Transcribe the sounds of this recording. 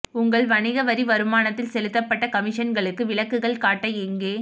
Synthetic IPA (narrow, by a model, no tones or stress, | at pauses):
ʊŋɡɐɭʋɐnɪɣɐʋɐɾiʋɐɾɯmaːnɐt̪ːɪlsɛlɯt̪ːɐpːɐʈːɐkɐmɪʂɐnɡɐɭɯkːɯʋɪɭɐkːɯɣɐɭkaːʈːɐɛŋɡeː